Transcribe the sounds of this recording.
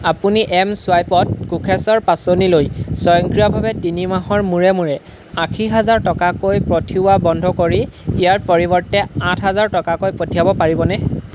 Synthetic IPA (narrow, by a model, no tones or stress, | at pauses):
apuniʔɛmsʊwajpɔt̚kukʰɛsɔɹpasonilojsɔjɔŋkɹijɔbʱabɛtinimaɦɔɹmuɹɛmuɹɛ | ãkʰiɦazaɹtɔkakojpɹɔtʰiʊwabɔndʱɔkoɹiːjaɹpɔɹibɔɹtɛãtʰɦazaɹtɔkakojpotʰijabɔpaɹibɔnɛ